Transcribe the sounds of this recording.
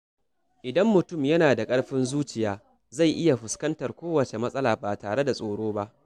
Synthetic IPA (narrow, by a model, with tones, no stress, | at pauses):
ʔɪ˨dɐ˦mːʊ˨tʊ˦˨mjɐ˦naː˨da˨kʼɐ˦ɽɸɪ˦nzuː˦t͡ʃɪ˨jaː˨˦ | za˦˨jʔɪ˦ja˨ɸʊ˨skɐ˦ntɐ˨rkʷoː˦wɐ˨t͡ʃe˨mɐ˦sʼɐ˦laː˨baː˨taː˨ɽe˦da˨sʼoː˨ɽoː˦ba˦ʔ